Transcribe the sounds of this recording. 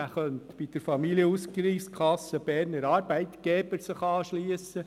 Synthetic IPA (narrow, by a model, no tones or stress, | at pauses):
æχœntb̥id̪̥əɾfɑmiliəuskɾiːskʰɑsːəb̥ɛːɾnəɾɑːɾbæɪt̪ɡ̥ɛb̥əɾsəχɑːʃliəsə